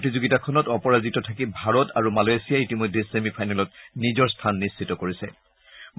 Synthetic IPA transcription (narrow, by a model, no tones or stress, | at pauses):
tizuɡitakʰɔnɔtɔpɔɹazitɔtʰakibʱaɹɔtaɹumalajsijaitimɔjdʱesemipʰajnalɔtnizɔɹstʰanːistʰitɔkoɹisɛ̰ | m